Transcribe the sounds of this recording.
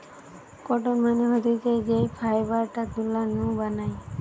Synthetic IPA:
kɔʈonmaneɦod̪iked͡ʒejpʰajbaɾʈat̪ulːanũbanaj

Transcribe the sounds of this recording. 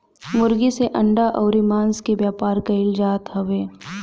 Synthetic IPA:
mʊɾɡiseʔɐ̃ɳɖaʔɔːɾimãːnskebjaːpaːɾkɐɪld͡ʒaːt̪ɦɐʋeː

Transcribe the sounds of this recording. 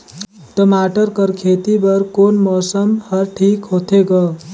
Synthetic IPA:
ʈəmaʈəɾkʌɾkʰet̪ibʌɾkonmɔsəmhʌɾʈʰikɦot̪ʰeɡʌ

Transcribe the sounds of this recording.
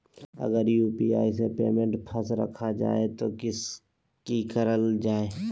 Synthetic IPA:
ə̰ɡəɾjuːpia̰ːisepeːmẽɳʈpʰəsɾə̰kʰad͡ʒa̰ːet̪okɪs | kikəɾəld͡ʒaːeː

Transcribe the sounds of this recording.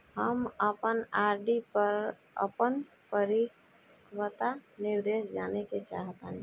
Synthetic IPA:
ɦəməpənaːɾɖipəɾ | ə̰pən | pəɾik | kʰwət̪anɪɾd̪eːʃd͡ʒaːneket͡ʃa̰ːɦt̪eɦ

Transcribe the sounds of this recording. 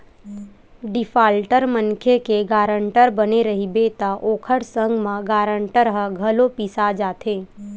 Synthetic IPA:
ɖɪfʰaːlʈəɾmənkʰekeɡaːɾə̃ɳʈəɾbəneɾəɦibeːt̪aʔoːkʰəɽsə̃ŋɡmãɡaːɾə̃ɳʈəɾɦəɡʱəlopiːsad͡ʒaːt̪ʰeː

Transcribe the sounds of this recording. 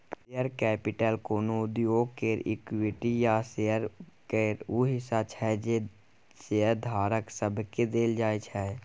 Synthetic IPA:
sejəɾkɛːpɪʈəlkoːnoʊd̪joːɡkeɾɪ̰kwɪʈijasejəɾkeːɾuɦɪsat͡ʃʰɛd͡ʒe | seəɾd̪ʱaːɾəksəbʱked̪eːld͡ʒaːet͡ʃʰɛ

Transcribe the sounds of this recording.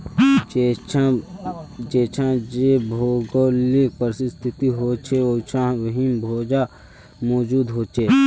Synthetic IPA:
d͡ʒeːt͡ʃʰãd͡ʒebʱoːɡoːlipəɾsst̪ʰɪt̪iɦoːt͡ʃʰeot͡ʃʰãʋɦimbʱoːd͡ʒa | mɔːd͡ʒuːd̪ɦoːt͡ʃeː

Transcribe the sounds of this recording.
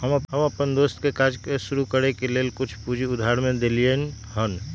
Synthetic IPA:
ɦəməɦəməpənd̪oːst̪kekad͡ʒkesʊɾukəɾekeleːlkʊt͡ʃʰpud͡ʒʱiʊd̪ʱaɾmẽd̪elien | ɦən

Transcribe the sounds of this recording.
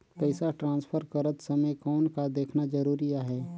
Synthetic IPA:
pɛɪsaʈɾãːnspʰəɾkɐɾət̪sɐməjkɔːnkad̪eːkʰnad͡ʒɐɾuːɾijaɦɛː

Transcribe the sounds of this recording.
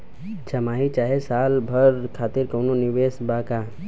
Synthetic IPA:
t͡ʃɐmaːɦit͡ʃaːɦesaːlbʱəɾkʰaːt̪ɪɾkəʊnonɪʋeːsbaka

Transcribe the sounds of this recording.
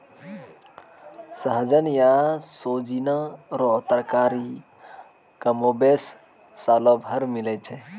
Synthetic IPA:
səɦd͡ʒənjasoːd͡ʒinaɾot̪əɾkaːɾi | kɐmobeːsː | aːlobʱəɾmɪlet͡ʃʰe

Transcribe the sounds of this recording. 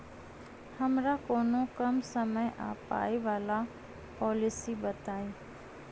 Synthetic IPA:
hɐmɾakoːnokəmsəməjʔa̰ːpa̰ːiʋaːla | pɔːlɪsibət̪aːiː

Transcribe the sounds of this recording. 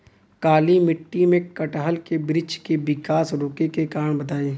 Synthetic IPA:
kaːlimɪʈːimẽkɐʈɦəlkebɾɪd͡ʒkeʋɪkaːsɾoːkekekaːɾəɳbɐt̪aːeː

